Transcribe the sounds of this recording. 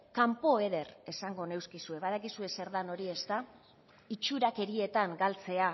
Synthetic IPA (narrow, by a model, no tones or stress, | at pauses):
kampo̞e̞ðe̞re̞saŋɡo̞ne̞wskisue̞βað̞akisue̞se̞ɾðano̞ɾie̞st̪a | it͡ʃuɾake̞ɾie̞t̪aŋɡalt͡se̞a